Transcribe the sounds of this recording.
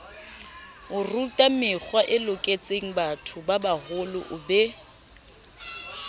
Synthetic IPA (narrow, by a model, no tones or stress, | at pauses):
ʊrutʼamɪk͡xwaʔɪlʊkʼet͡sʼeŋ̩batʰʊbabahʊlʊʔʊbɛ